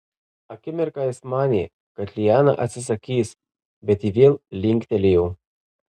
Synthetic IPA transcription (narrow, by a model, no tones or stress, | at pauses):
ɐkʲɪmʲɛɾkɑjɪsmɑːnʲe | kɐt̪ʲlʲɪjæːnɐ̰ʔɐ̰t̪ʲsʲɪs̬ɐkʲiːs | bʲɛt̪iːʋʲeːlˠlʲɪŋʲkʲt̪ʲɛlʲejɛ